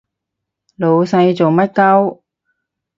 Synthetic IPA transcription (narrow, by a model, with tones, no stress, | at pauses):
lo˨˧wsɐ˧jt͡so˨wmɐ˥t̚kɐ˥w